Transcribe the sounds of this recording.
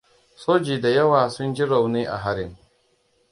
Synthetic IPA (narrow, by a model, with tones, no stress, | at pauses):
soː˦d͡ʒiː˨da˨jɐ˦waː˨sʊ˦nd͡ʒi˦ɾa˨wniː˦ʔa̰˨ɦa˦ɾɪ˦˨m